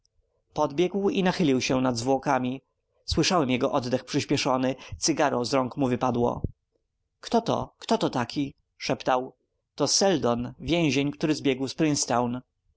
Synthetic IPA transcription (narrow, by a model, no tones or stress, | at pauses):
pɔd̪bʲjɛɡwinaxɘlʲiwɕɛnad̪zvwɔkamʲi | swɘʂawɛmjɛɡɔʔɔd̪d̪ɛxpʂɘɕpʲɛʂɔnɘt̪sɘɡaɾɔ̃w̃zɾɔŋkmuvɘpad̪wɔ̰ | kt̪ɔt̪ɔ̰kt̪ɔt̪ɔt̪akʲʰi | ʂɛpt̪aw | t̪ɔsɛld̪ɔnvʲjẽw̃ʑeɲkt̪uɾɘzbʲjɛɡwspɾɘnst̪awn